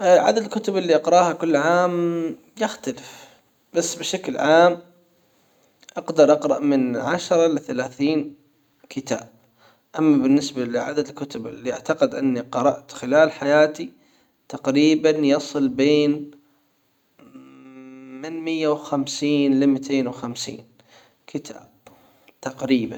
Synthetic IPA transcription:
ʔʕa̰d̪ad̪ɪlkʊt̪ʊbɪlːiʔɑqɾˤɑːhakʊlːʕaːm | jɪxt̪alɪf | b̥asːbɪʃaklʕaːm | ʔɑqd̪ɑɾˤʔɑqɾˤɑ̰ʔmɪnʕaʃɾˤɑlɪθalaːθiːn | kʰɪt̪a̰ːb̥̚ | ʔamːabɪnːɪsbalɪʕad̪at̪lkʊt̪ʊbɪ̰lːiʔaʕt̪ɑqɪd̪ʔɪnːiqɑɾˤɑʔt̪xɪlaːlħajaːt̪i | t̪aqɾiːbanjɑsˤɨlbeːn | mɪnmɪjːawxamsiːnlɪmɪt̪ʰeːnwxamsḭːn | kʰɪt̪ʰa̰ːb̥̚ | t̪aqɾiːban

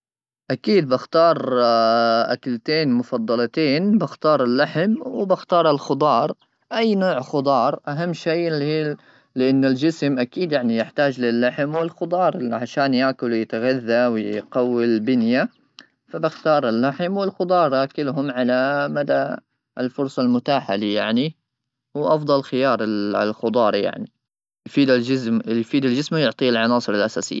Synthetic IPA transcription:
ʔakiːd̪̚bɪxt̪ɑːɾˤ | ʔa̰kalt̪eːnmʊfɑd̪ˤːɑlt̪eːnbɪxt̪ɑːɾˤɪlːaħɪmwɪbɪxt̪ɑːɾˤɪlxʊd̪ˤɑːɾˤ | ʔajːnoːʕxʊd̪ˤɑːɾˤʔaɦamːʃiːli | lɪʔanːald͡ʒɪsmʔakiːd̪jaʕnijɪħt̪aːd͡ʒlɪlːaħmwɪlxʊd̪ˤɑːɾˤʕaʃaːnjaʔkʊljɪt̪ɣaðːawjqɑwːɪlbɪnja | fabɪxt̪ɑːɾˤɪlːaħmwɪlxʊd̪ˤɑːɾˤɑkɪlɦʊmʕalamad̪a | ɪlfʊɾˤsˤɑlmʊt̪aːħalijaʕni | wʔɑfd̪ˤɑlxɪjɑːɾˤɪlxʊd̪ˤɑːɾˤja̰ʕni | jfiːd̪ɪsmjfiːd̪ɪld͡ʒɪsmajʊʕt̪ˤiːlʕɑnɑːsˤɨɾɪlʔasaːsɪ̰jːa

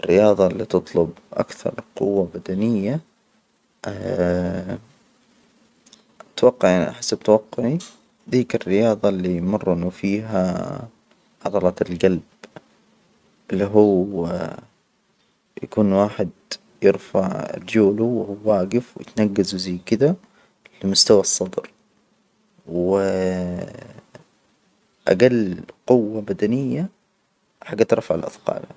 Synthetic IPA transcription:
ʔɪrːɪjɑːðˤɑlːiːt̪ɨt̪ˤlʊbʔa̰kθɑ̰ɾˤlqʊwːabad̪anɪjːa | t̪wɑqːɑʕanʔaħasːab̚t̪awɑqːʊʕi | ðiːkɪrːɪjɑːðˤɑlːijmʊrˤːʔɪnːʊfiːɦa | ʕɑðˤɑlɑlɡalb | ʔɪlːiɦuː | jakuːnwaːħɪd̪ | jɪɾfaʕɾd͡ʒuːluwɪhuːwaːɡɪfw̰jɪ̰t̪naɡːazuzajːkɪd̪a | lɪmʊst̪awɑsˤːɑd̪ˤɾ | wɪ | ʔa̰ɡalːqʊwːabad̪anɪjːa | ħaɡːat̪ɾˤɑfaʕalʔɑ̰d̪qɑ̰ːl

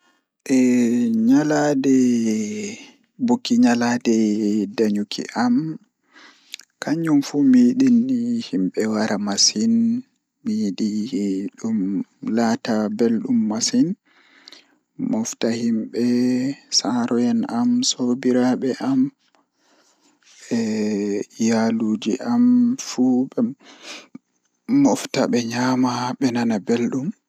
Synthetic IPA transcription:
ʔɛɲaladɛ | bokːiɲaladɛdaɲukʰḭʔam | kaɲumfumiːɗinːihimɓɛwaɾamasin | miɗiɗumlatabelɗumːasin | mɔftahimɓɛsaɾɔjɛnamsobiɾaɓɛʔam | ɛ | jaluːd͡ʒiʔamfuɓɛ | mɔftaɓɛɲamaɓɛnanabelɗum

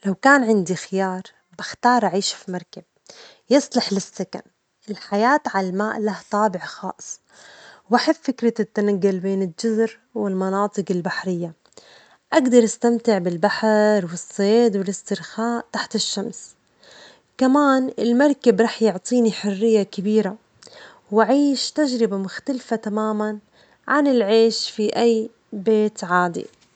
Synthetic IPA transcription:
lawkaːnʕɪnd̪ixɪjɑːɾˤ | baxt̪ɑːɾˤʔaʕiːʃfimɑɾˤkab̚ | jɨsˤlɪħlɪsːaka̰n | ʔɪlħajaːt̪ʕalalmaːʔlaht̪ˤɑːbɪʕxɑ̰ːsˤ | baħɪffɪkɾat̪ːanaɡːʊlbeːnɪld͡ʒʊzɾ | wɪlmɑnɑːt̪ˤɨqɪlbaħɾɪjːa | ʔaɡd̪ɑɾˤʔast̪amt̪ɪʕbɪlbaħɾwɪsˤːeːd̪wɪlɪst̪ɪɾxaːʔt̪aħt̪ɪʃːams | kamaːnɪlmɑɾˤkabɾˤɑːħjʊʕt̪ˤiːniħʊrːɪjːakabiːɾa | waʕiːʃt̪aʒɾɪbamʊxt̪alfat̪amaːman | ʕanɪlʕeːʃfiʔajː | beːt̪ʕaːd̪ḭ

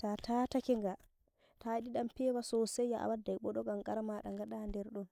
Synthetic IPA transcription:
tatʰatakiŋɡa | taɗiɗampɛwasɔsɛjːaʔa̰wadːajɓɔɗɔɡamɡaɾmaɗaŋɡaɗandɛɾɗɔn

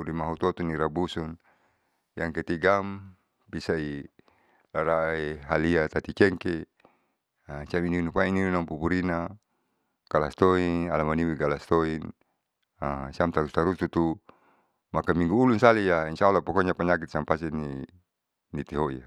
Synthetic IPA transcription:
uɾimaɦut̪ot̪uniɾabusun | jaŋket̪iɡam | pisai | laɾaeɦaliat̪at̪it͡ʃɛŋke | asiamininupaininunampupuɾina | kalast̪oinalamaniwiɡalast̪oin | asiamt̪aɾust̪aɾust̪ut̪u | makamiŋɡuːlunsalijainʃaalːapɔkoɲapaɲak̬it̪̚sampasɛni | nit̪eɦoija

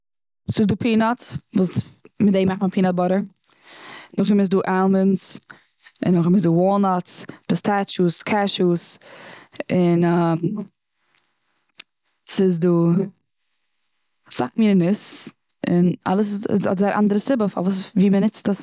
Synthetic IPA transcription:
sɪzduːpʰiːnɔt͡svuːsmɪdeɪmaχtməpʰiːnɔt̚bɔɾə | nʊχɪmɪsduːʔɛlˠməns | ɪ̰nːʊχɪmɪs̬zduːwɔlˠnɔspɛstʰat͡ʃuskʰaʃus | ɪnam | sɪzduː | sa̰kmiːɾɪnɪs | ɪna̰lˠəs̬ɪsɔ̰tzaɪɾʔa̰ndəɾəsɪbəfa̰vuːsviːmənɪt͡stəs

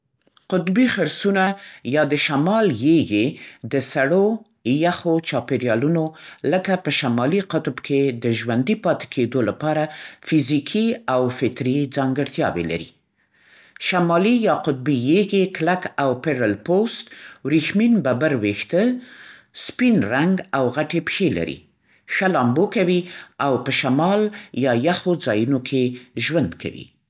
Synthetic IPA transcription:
qʊt̪bixaɾsunajɑd̪əʃamɑljeɡed̪əsaɽo | jaxot͡ʃɑpeɾjɑlunoləkapəʃamɑliqʊt̪bkʰed̪əʒwand̪ipɑt̪e̥kʰed̪olapɑɾafizikʰiawfɪt̪ɾid͡zɑŋɡəɽt̪jɑ̰wḛla̰ɾḭ | ʃamɑlijɑqʊt̪̚bijeɡeklakawpeɾalpost̪wɾixminbabaɾwext̪ə | spinɾaŋɡawɣaʈepxela̰ɾḭ | xalɑmbokawiawpəʃamɑljɑjaxod͡zɑjunokʰeʒwand̪ka̰wḭ

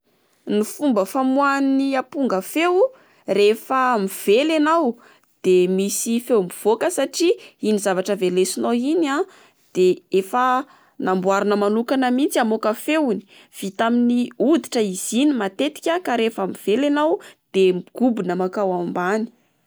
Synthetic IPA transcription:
nifumbəfamwaniapuŋɡəfew | refəmiv̥elanaw | d̪̥emisifewmiv̥okəsaʈ͡ʂiinizavaʈ͡ʂəvelesinoina | d̪̥eefə | nambwaɾinəmanukanəmint͡siamokəfewni̥ | v̥it̪aminiud̪iʈ͡ʂəiz̥inimat̪et̪i̥kʲakaɾefəmiv̥elanawd̪̥emiɡ̥ubinəmakawambani̥

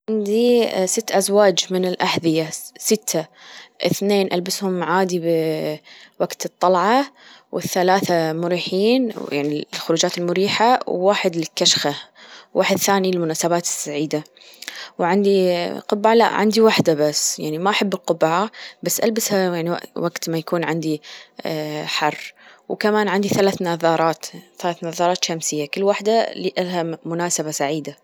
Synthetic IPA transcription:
ʕand̪isɪt̪ːʔazwaːd͡ʒmɪnɪlʔaħðɪjasɪt̪ʰːaʔɪ̰θneːnʔalbɪshʊmʕaːd̪ib | waɡt̪ɨt̪ˤːɑlʕɑ | wɪ̰θːalaːθamʊɾiːħiːnja̰ʕnilxʊɾuːd͡ʒaːt̪ɪlmʊɾiːħawːaːħɪd̪lɪkːaʃxawːʔaːħɪd̪θaːniɪlmʊnaːsabaːt̪ɪ̥sːaʕiːd̪a | wʕand̪iqʊbːaʕala̰ʔʕa̰nd̪iwaħd̪abasːjaʕnimaʔaħabːɪlqʊbaʕabasːʔalbɪshajaʕnia̰waɡt̪majakuːnʕɪnd̪i | ħɑrˤːwkamaːnʕand̪iθalaːθnaðɑːɾˤɑːt̪θalaːθnɑðˤɑːɾˤɑːt̪ʃamsɪjːakɪlːwaħd̪aliʔalɦamʊnaːsaβasaʕiːd̪a

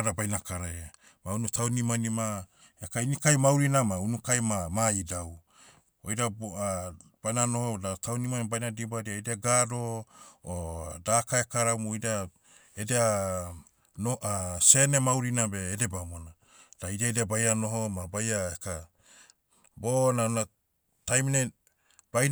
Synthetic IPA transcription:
ɾabajnakaɾaa | maunutʰawnimanima | ekainikajmawɾinamaunukajmamaidaw | ojɾaa | b̥ajnanohodatawnimanbajnadibaɾiaedeaɡadoodakaekaɾamuojda | edea | noase̞nemawɾinabeːdebamona | d̥aidiaedeabajano̞ɦomabajaeka | bonana | tajmine | b̥ajn

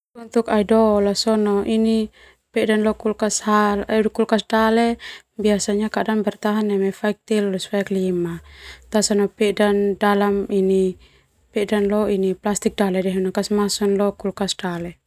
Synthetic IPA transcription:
unt̪ukaidɔlasɔnɔʔini | pɛdanlɔkulkashalkulkasdalɛ | biasaɲakadanbɛrt̪aɦanːɛmɛfaik̚t̪ɛlːusfaiklimat̪asanɔpɛdandalamini | pɛdanlɔiniplast̪ik̚dalɛdɛɦɛnakasmasɔnlɔkulkasdalɛ

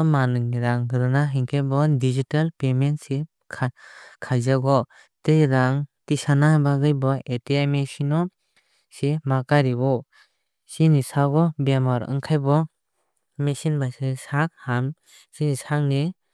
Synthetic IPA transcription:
manɯŋiɾaŋɡɾɯnaɦiŋkʰajbɔdizitalpementsi | kʰakʰajzaɡɔ | tɯjɾaŋtisanabaɡɯjbɔetiamesinɔ | semakaɾibɔ | sinisaɡɔbamaɾɯ̰ŋkʰajbɔ | mesinbajsɯsak̚ham | sinisaŋni

